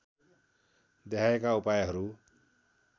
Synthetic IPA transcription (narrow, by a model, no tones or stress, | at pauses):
d̪eɦʰaekaupajɦʌɾu